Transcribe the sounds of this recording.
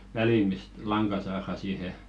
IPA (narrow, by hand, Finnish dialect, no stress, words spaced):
ʋæliˑ mist lɑŋkɑ sɑːrɑˑ siːhe